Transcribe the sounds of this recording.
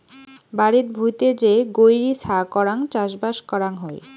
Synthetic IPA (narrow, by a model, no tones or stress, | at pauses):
baɾit̪bʱujt̪ed͡ʑeɡojɾisʰakɔɾaŋt͡ɕaʃbaʃkɔɾaŋɦɔj